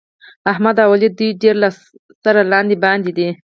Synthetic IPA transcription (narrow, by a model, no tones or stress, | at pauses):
ahmad̪ɑwalid̪ujɖeɾlas | saɾalɑnd̪ibɑnd̪id̪i